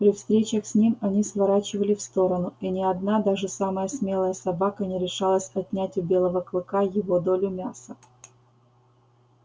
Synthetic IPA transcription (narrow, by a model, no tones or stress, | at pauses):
pɾʲɪfst̪ɾʲet͡ɕəxsʲnʲimɐnʲisvɐɾat͡ɕɪvəlʲɪfst̪o̞ɾənʊinʲɪɐd̪nad̪aʐɨsaməjəsʲmʲe̞lˠəjəsɐbakənʲɪɾʲɪʂalˠəsʲɐt̪ʲnʲætʲʊbʲe̞lˠəvəklˠɨkajɪvo̞d̪olʲʊmʲasə